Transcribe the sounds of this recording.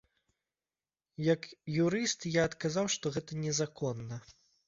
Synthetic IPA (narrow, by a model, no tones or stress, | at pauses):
jɐkjuɾɨst̪jaːt̪kazawʂt̪ɔɣɛt̪ɐnʲɛzakʰɔnːɐ